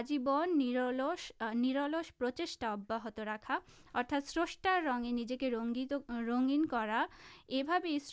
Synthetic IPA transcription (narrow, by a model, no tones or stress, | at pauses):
d͡ʑibonloʃːiɾoloʃpɾot͡ɕeʃʈaɔbːaɦot̪oɾakʰa | ɔɾt̪ʰat̪sɾoʃʈaɾːɔŋenid͡ʑekeoŋioɾoŋɡinkɔɾaebʱabeejs